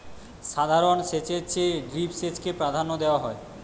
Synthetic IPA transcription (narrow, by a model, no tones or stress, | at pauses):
ʃad̪ʱaɾonʃet͡ɕet͡ɕeɖɾipʃet͡ɕkepɾad̪ʱanːod̪eoaɦɔe